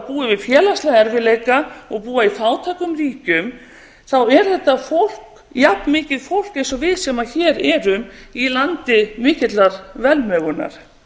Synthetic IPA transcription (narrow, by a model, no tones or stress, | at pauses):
puːɪvɪðfjɛːlast̪lɛɣɛɾvɪleːjkaɔɣpuːaiθaːwt̪ʰakʏmriːcʏm | θawɛɾ̥θɛht̪ːafowl̥k | japnmɪːcɪðfowl̥kejnsɔvɪðsɛmaçɛːɾɛɾʏmilant̪ɪmɪːcɪt̪laɾvɛlmœɣʏnːa̰ɾ̥